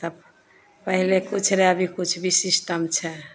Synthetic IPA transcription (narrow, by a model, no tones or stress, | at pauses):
t̪əb | pəɦilekut͡ʃʰɾeəbʱikut͡ʃʰbisisʈəmt͡ʃʰɛ